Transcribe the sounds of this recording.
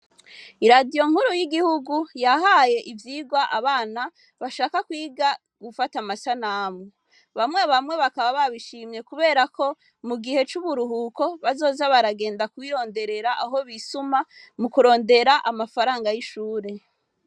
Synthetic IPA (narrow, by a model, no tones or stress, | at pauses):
iɾadijo̞ŋ̥huɾujiɡihuɡujaɦaje̞ʔivjiːɡwaʔaβaːna | βaʃaːkakwiːɡa | ɡ̥ufatamasanaːmo | βamŋweβamŋe̞βakaβaβaβiʃiːmje̞kuβe̞ːɾako̞ | muɡihe̞t͡ʃuβuɾuɦuːko̞βazo̞ːzaβaɾaɡe̞ːndakwiːɾo̞ːnde̞ɾe̞ɾaʔaɦo̞βisumamukuɾo̞ːnde̞ɾaʔamafaɾaːŋɡajiʃuːɾe̞